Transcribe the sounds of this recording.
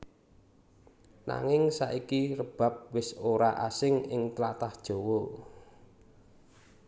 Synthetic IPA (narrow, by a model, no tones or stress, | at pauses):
na̰ŋɪŋsaʔikirəb̥a̤p̚wɪsoɾaʔa̰sɪŋɪŋt̪lat̪ahd̥ʒ̥o̤wɔ